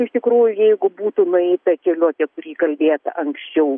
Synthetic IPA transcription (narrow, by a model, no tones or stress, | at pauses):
ɪʃt̪ʲɪkɾuːjʊjɛɪɡʊbuːt̪ʊnʊɛɪt̪ɐkʲɛlʲuːtʲɛkʊɾʲiːkɐlʲbʲeːt̪ɐ̰ʔɐŋksʲt͡ʃʲɛʊ